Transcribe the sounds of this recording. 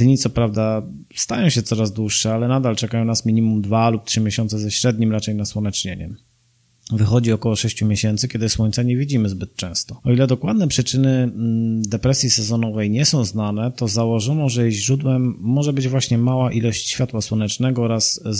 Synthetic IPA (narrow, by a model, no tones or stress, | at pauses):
d̪̥ɲit̪sɔpɾavd̪a | st̪ajɔ̃w̃ɕɛt̪sɔɾazd̪wuʂːɛalɛnad̪alt͡ʂɛkajɔ̃w̃nasmʲiɲimumd̪valup̚t̪ʂɘmʲjeɕɔntsɛzɛɕɾɛd̪ɲimɾat͡ʂɛjnaswɔnɛt͡ʂɲeɲɛ̰ | vɘxɔd͡ʑiɔkɔwɔʂɛɕt͡ɕumʲjeɕɛnt̪sɘkʲɛd̪ɘswɔɲt̪saɲɛvʲid͡ʑimɘzbɘt̪̚t͡ʂɛ̃w̃st̪ɔɔilɛd̪ɔkwad̪nɛpʂɘt͡ʂɘnɘ | d̪ɛpɾɛsʲjisɛzɔnɔvɛjɲɛsɔ̃w̃znanɛt̪ɔzawɔʐɔnɔʐɛjɛʑɾud̪wɛmːɔʐɛbɘd͡ʑvwaɕɲɛmawaʔilɔɕt͡ɕɕfʲjat̪waswɔnɛt͡ʂnɛɡɔɔɾas